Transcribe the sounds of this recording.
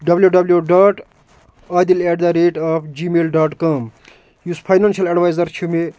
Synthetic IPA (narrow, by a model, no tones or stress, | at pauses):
ɖɐbljuɖɐbljoɖaːʈ | aːd̪ilɛːɖd̪ɐɾeːʈaːpʰd͡ʒimeːlɖaːʈkaːm | uspʰajnansijɐlɐɖʋajzɐɾt͡ʃʰume